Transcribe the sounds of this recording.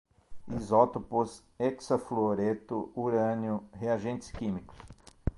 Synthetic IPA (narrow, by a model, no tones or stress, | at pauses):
izɔt̪opʊs | ɛksɐfloɾet̪ʊuɾɐ̃njʊheaʒẽnt̪ɪ̥skĩmikʊ̥s